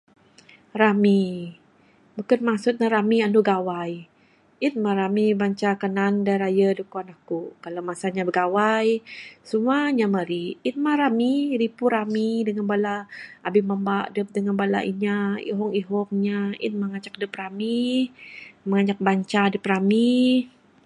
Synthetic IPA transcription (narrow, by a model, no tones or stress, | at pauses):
ɾami | bukənmasut̪̚naɾamianuɡawaj | in̚maɾamibaɲt͡ʃakənandajɾajədəkuanahkukalamasaɲabəɡawajsumaɲaməɾiit̪̚maɾamiɾipuɾamidəŋanbalaʔːbimambaʔdəp̚dəŋanbala̰ḭɲaḭɦɔŋiɦɔŋ̚ɲaḭn̚maŋat͡ʃak̚dəpɾami | məŋaɲak̚baɲt͡ʃadəpɾami